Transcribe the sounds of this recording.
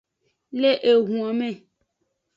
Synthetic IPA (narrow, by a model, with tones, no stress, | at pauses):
le˦ʔe˨ɦũ˨a˨mɛ̃˦˨